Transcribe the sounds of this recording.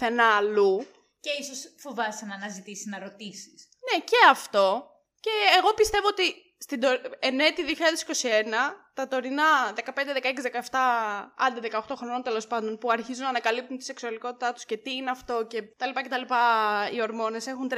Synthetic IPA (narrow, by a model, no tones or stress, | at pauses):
θe̞nɐlu | ce̞isosfovɐsenɐːnɐzit̪isiznɐɾo̞t̪isis | ne̞ce̞ɐft̪o̞ | ce̞ːɣo̞pist̪e̞voot̪i | st̪id̪oenet̪iðioçiʎɐðesi̥ko̞sie̞nɐt̪ɐt̪o̞ɾinɐðe̞kɐpnd̪eðekɐeksizðekɐeft̪ɐɐnd̪iðe̞kɐoxt̪o̞xɾo̞no̞nt̪elo̞spɐnd̪o̞npuɐɾçizunɐːnɐkɐlip̚t̪unt̪ise̞ksuɐliko̞t̪i̥t̪ɐt̪u̥sce̞t̪iineɐft̪o̞ce̞t̪ɐlipɐce̞t̪ɐlipɐio̞ɾmo̞ne̞se̞xunt̪ɾ